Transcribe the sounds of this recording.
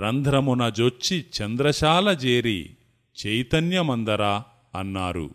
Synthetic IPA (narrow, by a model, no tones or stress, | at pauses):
ɾɐnd̪ʱɾɐmunɐd͡ʒot͡ʃːit͡ʃɐnd̪ɾɐʃaːlɐd͡ʒeːɾḭ | t͡ʃɐjt̪ɐnjɐmɐnd̪ɐɾaː | ɐnːaːɾṵ